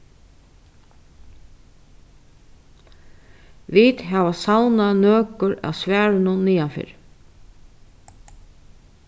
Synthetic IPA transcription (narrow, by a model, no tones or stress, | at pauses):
ʋit̪ɦaʋasawnanøːkʊɾa̰wsvæːɾɪnʊniːanfɪ̰ːɾ